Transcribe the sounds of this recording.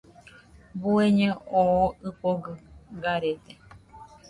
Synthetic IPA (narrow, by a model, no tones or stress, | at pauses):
bueɲẽooɨpoɡɨɡaɾet̪e